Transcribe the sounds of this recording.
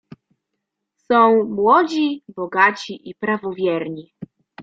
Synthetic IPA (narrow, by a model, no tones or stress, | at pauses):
sɔ̃w̃mwɔd͡ʑibɔɡat͡ɕiʔipɾavɔvʲjɛɾɲi